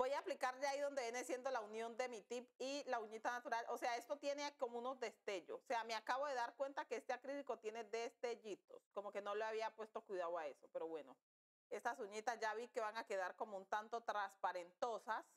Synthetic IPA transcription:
bo̞jaːplikaɾɟ͡ʝaiðo̞nd̪e̞jenesje̞nd̪o̞launjo̞nd̪e̞mit̪ipilauɲit̪anat̪uɾalʔo̞se̞ae̞st̪o̞t̪je̞neako̞mouno̞zd̪e̞st̪e̞ʝooseameakaβo̞ðe̞ðaɾkwe̞nt̪ake̞est̪eakɾiðiko̞t̪je̞ne̞d̪e̞st̪e̞ʝit̪o̞sko̞mo̞ke̞no̞loaβ̞iapwe̞st̪o̞kwiðaoae̞so̞pe̞ɾo̞βwe̞no̞ | e̞st̪asuɲit̪azʝaβike̞βaŋake̞ðaɾko̞mount̪ant̪o̞t̪ɾaspaɾe̞nt̪o̞sas

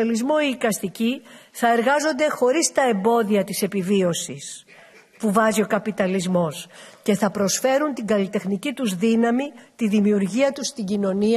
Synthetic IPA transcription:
lizmo̞iːkɐst̪iciθɐe̞ɾɣɐzo̞nd̪e̞xo̞ɾist̪ɐe̞mbo̞ðiɐt̪ise̞pivio̞sis | puvɐzio̞kɐpit̪ɐlizmo̞sce̞θɐpɾo̞sfe̞ɾunt̪iɡɐlit̪e̞xnicit̪uzðinɐmit̪iðimiuɾʝiɐt̪ust̪iɲɟino̞ni

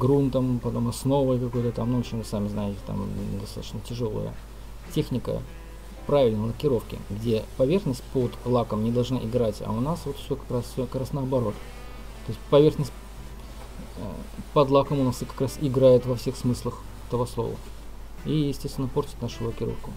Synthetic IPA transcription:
ɡɾunt̪əmpɐt̪o̞mɐsno̞vəkɐko̞jt̪ət̪amnʊot͡ɕɪvɨsamʲɪznajɪtʲɪ̥t̪a̰md̪ɐst̪at̪ə̥ɕnətʲɪʐo̞lˠə̰jə̰ | tʲexnʲɪkə̰ | pɾavʲɪlʲnəlˠəkʲɪɾo̞fkʲɪ̰ɡdʲe̞pɐvʲe̞rxnəsʲt̚ʲpod̪lˠakəmnʲɪd̪ɐlˠʐnaʔɪɡɾatʲɐ̰ʊnasvo̞t̪fsʲokɐ̥kɾasʲokɐkɾasnəːɐbɐɾo̞t̪ | t̪o̞ɪsʲtʲpɐvʲe̞rxnəsʲtʲ | ə̰pɐd̪lˠakəmʊnasɨkɐ̥kɾasɪɡɾajɪt̪vɐfsʲe̞xsmɨslˠəx | ɛt̪əvoslˠo̰və̰ | ijɪsʲtʲest̪vʲɪnːəpo̞rtʲɪ̥t̪naʂʊlˠəkʲɪɾo̞̰fkʊ

